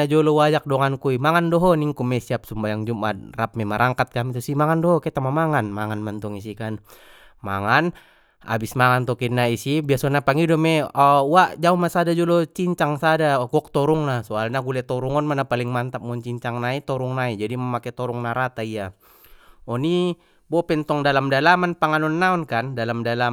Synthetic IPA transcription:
ad͡ʒɔlɔwajak̚dɔŋankuimaŋandɔɦɔniŋkumɛsiap̚sumbajaŋd͡ʒumʔa̰rap̚mɛmaɾaŋkat̪̚kamit̪usimaŋandɔɦɔkɛt̪amamaŋanmaŋanmant̪ɔŋis̬ikan | maŋan | a̰bismaŋant̪ɔkinaisibiasɔnapaŋidɔmɛawaʔd͡ʒaumasadad͡ʒulɔt͡ʃiɲt͡ʃaŋsadakɔk̚t̪ɔɾuŋlahsɔalɲaɡulɛt̪ɔɾuŋɔnmanapaliŋmant̪ap̚munt͡ʃiɲt͡ʃaŋnait̪ɔɾuŋnaid͡ʒadimamakɛt̪ɔɾɔŋnaɾat̪aija | ɔni | bɔpɛnt̪ɔŋdalamdalamanpaŋanɔnːaɔnkandalamdala

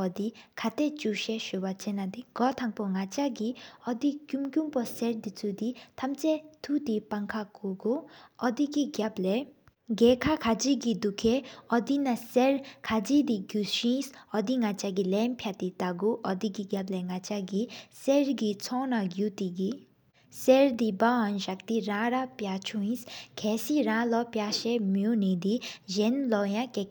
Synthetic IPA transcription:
ɔd̪ikʰat̪ɛt͡ʃuʃɛʃubat͡ʃɛnad̪iɡ̥ɔt̪ʰaŋpɔŋat͡ʃaɡiɔd̪ikjumkjumpɔsɛɾd̪it͡sud̪it̪ʰamt͡sɛt̪ʰud̪ipaŋkʰakuɡoɔd̪iɡiɡablɛ | ɡɛkʰakʰad͡ʒiɡid̪ukʰɛɔd̪inasɛɾkʰad͡ʒid̪iɡjuʃĩːsɔd̪iŋɐt͡ʃaɡilɛːmpʰjat̪it̪aɡuʔɔd̪iɡiɡjɐblɛŋɐt͡ʃaɡisɛɾɡit͡sʰɔːnaɡjut̪iɡi | sɛɾd̪ibaːɔnʃɐkt̪iɾãːɾapjat͡ʃʰũĩskʰɛsiɾãːlɔpjaːʃɛmjunid̪ijɛnlɔːjãkɛk

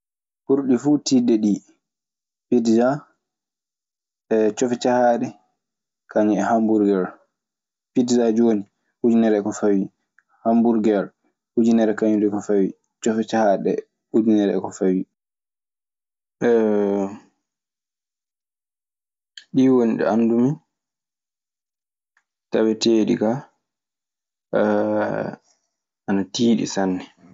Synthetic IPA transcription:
huɾɗifutidɛɗi | pidiza | ɛt͡ʃɔfɛt͡ʃahaɗɛ | kaɲɛɛhambuɾɡɛɾ | pidizad͡ʒoni | hud͡ʒinɛɾɛkɔfawi | hambuɾɡɛɾ | hud͡ʒinɛɾɛkaɲudɛkɔfawi | t͡ʃɔfɛt͡ʃahaɗɛ̰ | hud͡ʒinɛɾɛ̰kɔfawi | ɛ | ɗiwoniɗɛ̰andumi | tawɛteːɗḭka | ʔanatiːɗḭsanːɛ

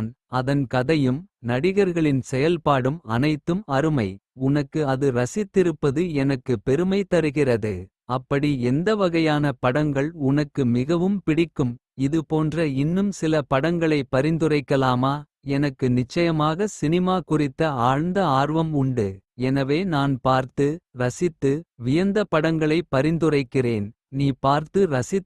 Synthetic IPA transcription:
n | ɐðɐnkɐðɐjɯmnɐɽɪɣɐɾɣɐɭɪnsɛjɐlpaːɽɯmɐ̰nɐɪt̪ːɯmɐɾɯmɐɪʊnɐkːɯɐðɯɾɐsɪt̪ːɪɾɯpːɐðɯɛnɐkːɯpɛɾɯmɐɪt̪ːɐɾɯɣɪrɐðɯ | ɐpːɐɽiɛnd̪ɐʋɐɣɐjaːnɐpɐɽɐŋɡɐɭʊnɐkːɯmɪɣɐʋɯmpɪɽɪkːɯm | ɪðɯpoːndrɐɪnːɯmsɪlɐpɐɽɐŋɡɐɭɐɪpːɐɾɪnd̪ɯrɐɪkːɐlaːmaː | ɛnɐkːɯnɪt͡ʃːɐjɐmaːɣɐsɪnɪmaːkʊrɪt̪ːɐaːɻnd̪ɐaːrʋɐmʊɳɖɯɛnɐʋeːnaːnpaːɾt̪ɯɾɐsɪt̪ːɯʋɪjɐnd̪ɐpɐɽɐŋɡɐɭɐɪpːɐɾɪnd̪ɯrɐɪkːɪreːn | niːpaːɾt̪ɯɾɐsɪ

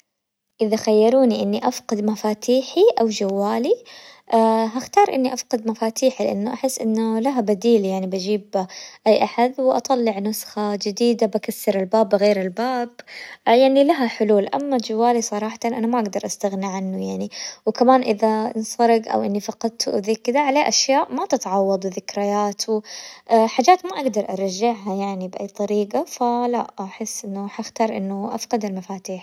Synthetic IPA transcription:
ʔɪðaxajːɑɾˤuːniʔɪnːiʔafqɑd̪mafaːt̪ʰiːħiʔawd͡ʒawːaːliʔaɦaxt̪ɑːɾˤʔɪnːiʔafqɑd̪mafaːt̪ʰiːħilɪ̰ʔa̰nːʊʔaħɪsːʔɪnːʊlaɦabad̪iːljaʕnibad͡ʒiːbʔajːʔaħad̪wɪʔɑ̰t̪ˤɑlːɪʕnʊsxad͡ʒɪd̪iːd̪abakasːɑɾɪlbaːbːɣeːɾɪlbaːbjaʕnilaɦaħʊluːlʔa̰mːad͡ʒawːaːlisˤɑɾˤɑːħɑ̥t̪anʔanamaʔaɡd̪ɑɾˤʔast̪aɣnɪʕanːʊjaʕniwkamaːnʔɪðaɪnsˤɑɾɪɡʔa̰wʔɪnːifɑqɑd̪̚t̪ʰuʔðiːkːɪd̪aʕaleːʔaʃjaːʔmat̪ɪt̪ʕɑwːɑd̪ˤwɪðɪkɾajaːt̪wʔħaːd͡ʒaːt̪maʔaɡd̪ɑɾˤʔɑɾˤɑʒːɪʕɦajaʕnibʔajːt̪ˤɑɾiːɡafalaʔaħɪsːʔɪnːʊħaxt̪ɑːɾˤʔɪ̰nːʊʔa̰fqɑd̪almafaːt̪iːħ

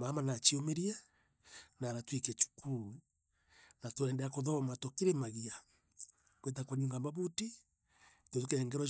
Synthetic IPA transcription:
mamanat͡ʃiomeɾia | naːɾatwikɛt͡ʃu̥kʰu | natwɛːndɛakoðɔmatokeɾemaɣia | kwet̬akwaɲuŋɡambaβuti | toðukeɛŋɡɛɾɔ

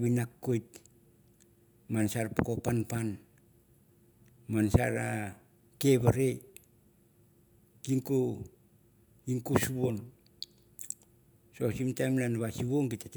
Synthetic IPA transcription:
βinakːojt̚ | mansaɾpokopanpan | mansa̰ɾa | ke̞βaɾe | kiŋko | iŋkusuβo̞n | sosimtamnanβasiβoŋkitat

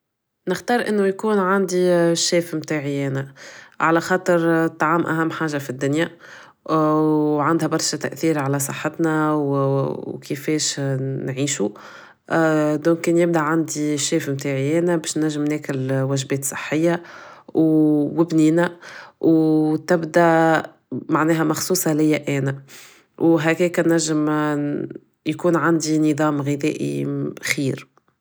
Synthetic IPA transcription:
nɪxt̪ɑːɾˤʔɪnːʊjkuːnʕand̪iʃːɛːfmt̪aːʕiɛːnæʕalæxɑːt̪ˤəɾt̪ˤːɑʕaːmʔæɦæmːħaːʒafid̪ːʊnja | ʕand̪hæbɑɾˤʃat̪æ̰ʔθiːɾʕalæsˤɑħːɑt̪næw | kʰɪfɛːʃnʕiːʃu | d̪ɔ̃ːkːɛːnjɪb̚d̪aʕand̪iʃːɛːfmt̪aːʕiʔɛːnæbɛːʃnæʒːɪmnɛːkɪlwæʒbɛːt̪sˤɨħːɪjːawwɪbniːnæwt̪ɪbd̪æ | maʕnɛːɦæmɑxsˤuːsˤɑlɪjːæʔɛːnæ | wɦækɛːkænːæʒːəm | jkuːnʕand̪inɨðˤɑːmɣɪðɛ̰ːʔḭxiːɾ

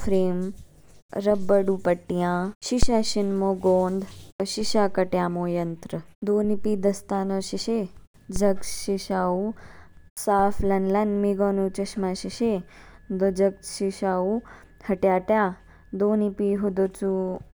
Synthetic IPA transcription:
fʰɾeːm | ɾɐbːɐɽupɐʈːijãːʃiʃaːʃinmoːɡoːnd̪ɐʃiʃaːkɐʈjaːmoːjɐnt̪ɾɐd̪oːnipid̪ɐst̪aːnoːʃiʃe | d͡ʒɐɡʃiʃaːu | saːflɐnlɐnmiɡoːnut͡ʃɐʃmaʃiʃed̪od͡ʒɐɡ̚ʃiʃaːu | hɐʈjaːʈjaː | d̪oːnipiɦod̪ot͡su

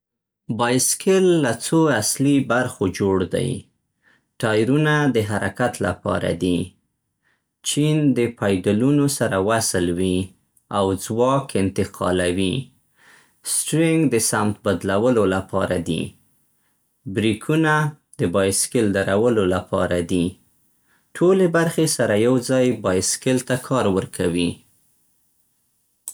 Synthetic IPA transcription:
bɑjskɪlːat͡soaslibaɾxod͡ʒoɽd̪a̰j | ʈɑjɾunad̪əɦaɾakat̪la̰pɑ̰ɾa̰d̪i | t͡ʃind̪əpʰɑjd̪alunosaɾawaslwi | awd͡zwɑkɪnt̪ɪqʰɑ̰lawi | sʈɾɪŋɡd̪əsamt̪̚bad̪lawəlolapɑɾad̪ḭ | bɾikʰuna | d̪əbɑjskɪld̪aɾawəlolapɑ̰ɾad̪i | ʈʰolebaɾxesaɾajawd͡zɑjbɑjskɪlt̪akʰɑɾwəɾkʰawi

